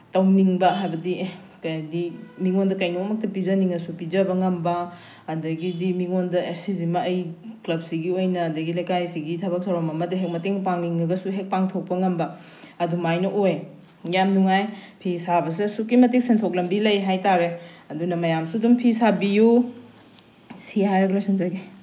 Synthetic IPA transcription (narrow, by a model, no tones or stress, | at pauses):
tɐwniŋbɐɦajbɐdi | kɐjdimiŋondɐkɐjnoɐmɐk̚tɐpizɐniŋɐsupid͡ʒɐbɐŋɐmbɐː | dɐɡidimiŋondɐesizimɐːjklɐb̚siɡiojnɐːdɐɡilɐjkajsiɡitʰɐbɐk̚tʰɐwɾomɐmɐdiɦek̚mɐteŋpaŋniŋɡɐɡɐsuɦek̚paŋtʰok̚pɐŋɐmbɐ | ɐdumajnɐʔoj | jamnuŋajpʰisabɐs̬esukːimɐtik̚sentʰok̬̚lɐmbilɐjɦajtaɾeɐdunɐmɐjamsudumpʰisabiju | sihaɾɐɡlojsinzɐɡi